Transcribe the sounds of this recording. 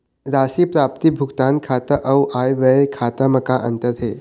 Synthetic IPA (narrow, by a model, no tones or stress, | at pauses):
ɾaːsipɾaːp̚t̪ibʱuɡt̪aːnkʰat̪əʔɐwʔaːjʋəekʰaːt̪əmɐkaʔənt̪əɾɦeː